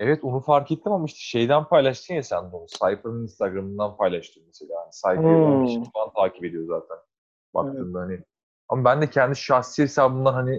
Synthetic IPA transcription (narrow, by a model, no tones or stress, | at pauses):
evɛt̪onufaɾket̪ʰːimamaiʃt̪ʰɛ̥ʃe̞jd̪ænpʰajlˠaʃt̪ʰɯnjasænd̪onusajpanɯninst̪aɡɾamɯnd̪anpʰajlˠaʃt̪ʰɯmmeselʲaːanisajpiʃiant̪ʰaːcipe̞d̪ijo̞za̰ːt̪ʰæn | ba̰k̚t̪ʰɯːmd̪ahanɪ | a̰mabænd̪ɛcʰɛnd̪isʃaxsihesaːbɯnd̪ˠanɦani